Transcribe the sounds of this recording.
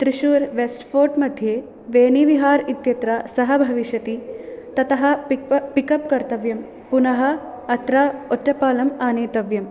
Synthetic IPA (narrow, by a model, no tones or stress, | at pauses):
t̪ɾiʃuːɾʋesʈfʰoːɾʈmɐd̪ʱjeː | ʋeːniʋiɦaːɾit̪jɐt̪ɾasɐɦɐbʱɐʋiʃjɐt̪it̪ɐt̪ɐɦɐ̆pikɐp̚kɐɾt̪ɐʋjɐm | punɐɦɐ̆ | ɐt̪ɾaːoʈːɐpaːlɐmaːneːt̪ɐʋjɐm